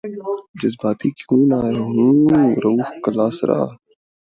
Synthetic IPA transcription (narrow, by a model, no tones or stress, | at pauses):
d͡ʒɐzbaːt̪iːkuːnaːɾɦũːɾɐuxkɐlaːsɾʔa̰ː